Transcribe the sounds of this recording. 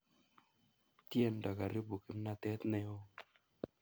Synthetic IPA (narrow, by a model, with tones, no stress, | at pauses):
t̪je˦˨ndɔ˨ka˨ɾɪ˦bu˨kɪ˨m˦na˨t̪ɛ˦t̪nɪ˨˦o˦